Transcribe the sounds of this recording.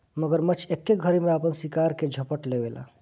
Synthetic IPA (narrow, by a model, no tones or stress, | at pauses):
məɡəɾmət͡ʃʰekːeɡʱəɾemeapənsikaɾked͡ʒʱəpəʈleʋela̰